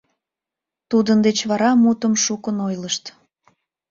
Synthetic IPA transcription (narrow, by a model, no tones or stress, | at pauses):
t̪ud̪ənd̪et͡ɕβɑɾɑmut̪əmʃukənojləʃt̪